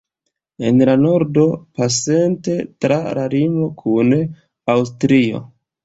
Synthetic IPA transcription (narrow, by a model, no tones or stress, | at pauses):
e̞̰nlano̞ɾdo̞pase̞nte̞tɾalaɾimo̞kʰun | awstɾio̞̰